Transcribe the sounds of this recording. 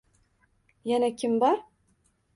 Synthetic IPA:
jænækʲimbɑɾ

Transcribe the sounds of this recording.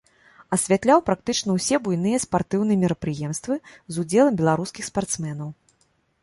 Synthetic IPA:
ɐsʲvʲat̪lʲawpɾak̚t̪ɨt͡ʂnɐwsʲɛbujn̪ɨjɛspart̪ɨwn̪ɨjɛmʲɛɾɐpɾɨjɛmst̪vɨzud͡zʲɛlˠɐmbʲɛlˠaɾuskʲixspart̪smɛnɐw

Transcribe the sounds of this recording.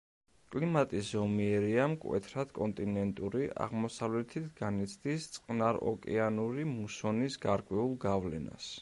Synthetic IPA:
kʼlimat̪ʼiszɔmiɛɾiamkʼwɛ̰t̪ʰɾad̪̥kʼɔnt̪ʼinɛnt̪ʼuɾiʔa̰ʁmɔsavlɛt̪ʰit̪ʰɡ̥anit̪sʰd̪ist̪sʼqʼnaɾɔ̰kʼɛanuɾimusɔnisɡaɾkʼwɛulˠɡavlɛna̰s

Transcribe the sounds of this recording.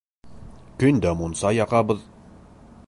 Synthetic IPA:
kɵ̆nd̪æmunsɑjɑqɑbɤð

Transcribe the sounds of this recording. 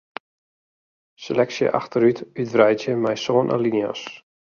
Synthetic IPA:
selɛksjə̰ʔa̰xtəɾytytvrɛjtjəmɛjsoənʔa̰liniɔ̰s

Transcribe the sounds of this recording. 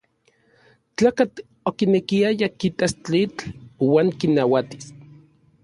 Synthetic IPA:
t͡ɬaːkat͡ɬ̪ | okinekiajakit̪ast͡ɬit͡ɬwaːŋkinawat̪i̥s

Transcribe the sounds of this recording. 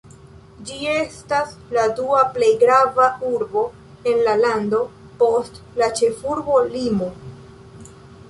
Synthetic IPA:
d͡ʒie̞stasladuaple̞jɡɾavauɾbo̞ | e̞nlalando̞ | po̞st | lat͡ʃe̞fuɾbo̞limo̞

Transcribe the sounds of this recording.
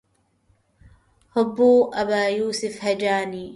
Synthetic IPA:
hʊbːuːʔɐbaːjuːsɪfhɐd͡ʒaːniː

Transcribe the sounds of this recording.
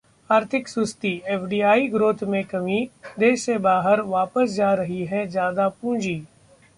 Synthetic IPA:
aːɾt̪ʰɪksʊst̪iɛːfʰɖiːaːiɡɾoːt̪ʰmẽkɐmid̪eːʃsebaːɦəɾʋaːpəsd͡ʒaːɾɐɦiɦɛd͡ʒjaːd̪apũːd͡ʒiː

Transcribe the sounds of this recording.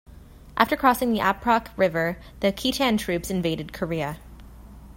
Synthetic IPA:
ʔæftə˞kʰɹ̥ɔsɪ̃ŋðiʔæpʰɹɑkʰɹɪvə˞ | ðɨkʰitʰæ̃ntʰɹ̥ʉpsɨ̃nveɪɾɨd̚kʰə˞iɨ

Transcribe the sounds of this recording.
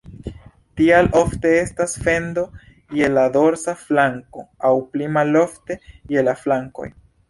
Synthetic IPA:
tialʔo̞fte̞estasfe̞ndo̞ | je̞lado̞ɾsaflaŋko̞awplimalo̞fte̞je̞laflaŋko̞̰j

